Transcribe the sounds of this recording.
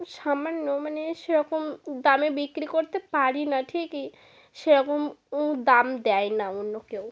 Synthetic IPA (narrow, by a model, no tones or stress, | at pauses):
ʃamanːomaneʃeɾɔkomd̪amebikɾikoɾt̪epaɾinaʈʰiki | ʃeɾɔkomũd̪amd̪ɛjnaonːokew